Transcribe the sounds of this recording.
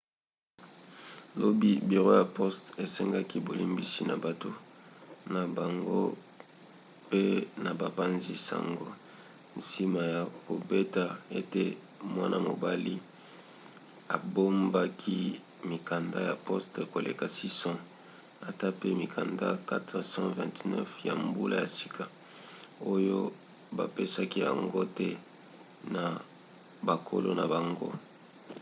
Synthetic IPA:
lo˦bi˦bi˨ʁo˦ja˨pɔ˦ste˨sɛ˦ŋɡa˦ki˦bo˨li˦mbi˦si˦na̰˨ba˨to˦ | na˨ba˨ŋɡo̰˦ | pe˦na˨ba˨pa˦nzi˦sa̰˨ŋɡo˦ | n̩˨si˦ma˨ja˨ko˨be˦ta˨e˦te˦ | mwa˦nʔa̰˦˨mo˨ba˦li˦ | a˨bo˦mba˦kʰi˦ | mi˨ka˨nda̰˦ja˨pɔ˦ste˨ko˨lʔḛ˨ka˨si˦sɔ̃˦ | a˨ta˦pe˦mi˨kʰa˨nda̰˦ka˦tʁsɑ̃˦vɛ̰̃˨tnɛ˦fja̰˨mbu˦lʔa˦ja˨si̥˦kʰa˨ | o˦jo˦ | ba˨pe˦sa˦ki˦ja̰˨ŋɡo˦tɛ˦ | na˨ | ba˨kʰo̰˦lo̰˦na˨ba˨ŋɡo̰˦

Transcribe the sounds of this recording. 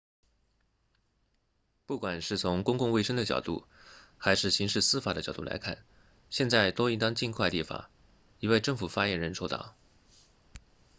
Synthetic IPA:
pu˥˩kwa˨˩nʂɻ̩˥˩t͡sʰʊ˧˥ŋkʊ˥ŋkʊ˥˧ŋwe˥˩ɪə˥ŋd̪ə˨t͡ɕjɑ̰˨˩ʊt̪ṵ˥˩xa˧˥ɪʂɻ̩˥˩ɕi˧˥ŋʂɻ̩˥˩sɹ̩˥fa˨˩d̪ə˦t͡ɕɑ˨˩t̪u˥˩la̰˧˥ɪkʰa̰˥˩n | ɕjɛ˥˧nt͡sa˥˩ɪt̪wɔ˥i˥ŋt̪ɑ˥ŋt͡ɕi˥˧nkʰwa˥˧ɪt̪i˥˩fa̰˨˩˦ | i˧˥we˥˧ɪʈ͡ʂɤ˥˩ŋfu˨˩fa˥jɛ˧˥nɻə˧˥nʂʰo˥ʊt̪ɑ̰˥˩˦ʊ

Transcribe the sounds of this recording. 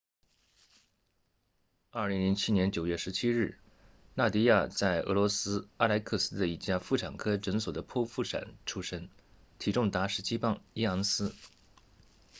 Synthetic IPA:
ɐ˞˥˩li˧˥ŋli˧˥ŋt͡ɕʰi˥njɛ˧˥nt͡ɕjo˨˩ʊɥɛ˥˩ʂɻ̩˧˥t͡ɕʰi˥ɻ̩˥˩ | na˥˩t̪i˥ja˥˧t͡sa˥˩ɪʔɤ̰˧˥lwɔ˧˥sɹ̩˥a˥˧la˧˥ɪkʰɤ˥˩sɹ̩˥d̪ə˧i˧˩t͡ɕja˥˧fu˥˩ʈ͡ʂʰa˨˩nkʰɤ˥ʈ͡ʂə˧˥ŋswɔ˨˩d̪ə˦pʰɔ˥fu˥˩ʈ͡ʂʰa̰˨˩nʈ͡ʂʰu˥ʂə˥ŋ | t̪ʰi˨˥ʈ͡ʂʊ˥˩ŋt̪a˧˥ʂɻ̩˧˥˩t͡ɕi˥pɑ˥˩ŋi˥ɑ˧˥ŋsɹ̩˥

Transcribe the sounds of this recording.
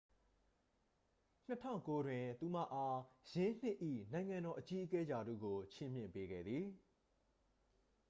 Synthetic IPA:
n̥ətʰã̰˦˨ʊ̃ko˦dwɪ̃˨t̪u˨m̥ä̰˦˨ʔa˦jɪ̃˦n̥ɪ˦ʔḭ˦˨nã˨ɪ̃ŋã˨ndɔ˨ʔət͡ɕi˦ʔəkɛ˦ja˨dṵ˦˨ɡo˨t͡ɕʰɪ̃˦˨mjɪ̰̃˦˨mpe˦ɡɛ̰˦˨d̪ði˨

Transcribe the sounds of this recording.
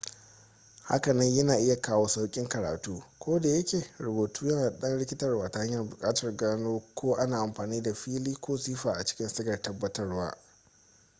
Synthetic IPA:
ha̰˦kɐ˨nɐ˦ɲjɐ˦naː˨ʔɪ˦ja˨kaː˦woː˦sa˦wkʲʼɪ˦ŋkɐ˨ɾa̰ː˨tuː˦kʷʰoː˦da˨jɐ˦kʲeː˨ɾʊ˨boː˨tuː˦ja˦˨ɗɐ˦nɽɪ˦kʲɪ˦tɐ˦rwaː˨ta˨˦ha˦ɲjɐ˨rbʊ˨kʼaː˦tɐ˨rɡaː˦noː˦kʷoː˦ʔa˦naː˨ʔa˨mɸaː˨niː˦da˨ɸiː˦liː˦kʷoː˦siː˦ɸaː˨ʔa˨t͡ʃɪ̥˦kʲɪ˦nsɪ˦ɡɐ˨rtɐ˦bːɐ˦tɐ˦rwa̰ː˦

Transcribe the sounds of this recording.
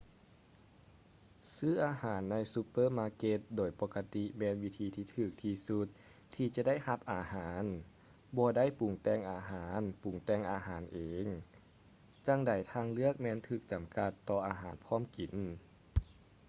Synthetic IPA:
sɯː˥˩ʔaː˧haː˩˦nːa˧jsu˧pːɤː˧˥˨maː˧ke˧t̪̚doː˨˩jpɔː˧ka˧t̪i˧mɛː˧˨nwi˧t̪ʰiː˧t̪ʰiː˧˩t̪ʰɯː˧˩k̚t̪ʰiː˧su˧t̪̚ʰː | iː˧t͡ɕa˧da˥˨jha˧p̚ʔaː˨˧haː˨˩˦n | bɔː˧da˥˨jpu˨˩ŋt̪ɛː˧˩˨ŋʔaː˧ɦaː˩˦npu˨˩˦ŋt̪ɛː˧˩ŋʔaː˧ɦaː˩˦nʔeː˨˦ŋ | t͡ɕa˧˥ŋda˨˩jt̪ʰaː˧ŋlɯ˥˩ək̚mɛː˧˨nt̪ʰɯː˧˩k̚t͡ɕa˨˩˦mka˧t̪ːɔː˧ʔaː˧ɦaː˨˩˦npʰɔː˧˥˨mki˨˩˦n

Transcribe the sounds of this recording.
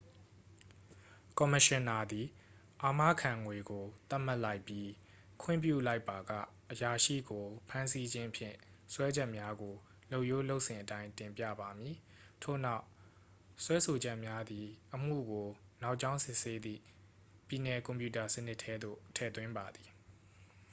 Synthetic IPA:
kɔ˨mə˨ʃɪ̃˨na˨d̪i˨ | ʔa˨mä̰˦˨kʰã˨ŋwe˨ɡo˨t̪a˦ʔm̥a˦ʔla˦ɪpːji˦ | kʰwɪ̰̃˦˨mpjṵ˦˨la˦ɪpːa˨ɡä̰˦˨ | ʔəja˨ʃḭ˦˨ɡo˨pʰã˦nsi˦d͡ʑɪ̃˦ʔpʰjɪ̰̃˦˨swɛ˦d͡ʑɛ˦ʔmja˦ɡo˨ | lo˦ʊʔjo˦lo˦ʊʔsɪ̃˨ʔətã˦ɪ̃ntɪ̃˨mpjä̰˦˨ba˨mji˨ | tʰo̰˦˨na˦ʊ | swɛ˦so˨d͡ʑɛ˦ʔmja˦d̪i˨ʔəm̥ṵ˦˨ɡo˨na˦ʊʔt͡ɕã˦ʊ̃sɪ˦ʔse˦d̪ḭ˦˨ | pji˨nɛ˨kɔ̃˨mpju˨ta˨sən̥ɪ˦ʔtʰɛ˦d̪o̰˦˨tʰɛ̰˦˨t̪wɪ̃˦mba˨d̪i˨

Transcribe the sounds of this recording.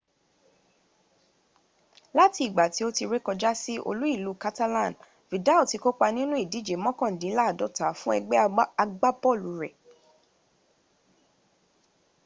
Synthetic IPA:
la˦ti˧i˨ɡ͡ba˨ti˨˦o˦ti˧ɾe˦kɔ˧d͡ʒa˦si˦ʔo̰˧lu˦i˦˨lu˨˦ka˦ta˦lã˦˨n | vi˨da˨˦o˨ti˧ko˦k͡pa˧nĩ˦nũ˦i˦˨di˨˦d͡ʒe˨˦mɔ̃˦kɔ̃˦˨n̩˨dĩ˨˦la˦˨dɔ˨˦ta˨˦˨fũ˦ɛ˧ɡ͡bɛ˦a˧ɡ͡ba˦pɔ˦˨lu˨ɾɛ˨

